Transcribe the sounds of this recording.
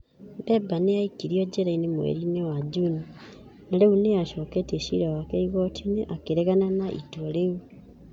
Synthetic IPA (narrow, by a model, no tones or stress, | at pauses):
bɛbaneaikiɾiɔd͡ʑɛɾainemwḛɾinewad͡ʒuni | naɾeuneaʃɔkɛteʃḭɾawakɛiɣɔtʰineʔakeɾɛɣananaʔḭtwɔɾeu